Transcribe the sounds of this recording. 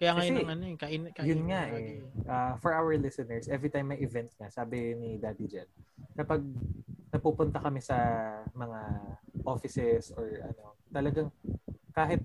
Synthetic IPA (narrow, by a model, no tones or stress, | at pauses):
kɐjaːŋɐjɛŋɐnoɛkɐʔjʊnŋaʔɛʔafɔɹʔawɛɹlɪsɛnɛɹsʔɛvɹit̪ajmːɐjʔɪvɛnt̪̚ŋɐsaːbɪnɪd̪aːd̪id͡ʒɐnkɐpɐɡ̚nɐpuːpʊnt̪ɐkɐmɛsɐmɐŋaʔofɪsɛsʔɔɹʔɐ̰no̞t̪ɐlɐɡaŋkaːɦɪt̪̚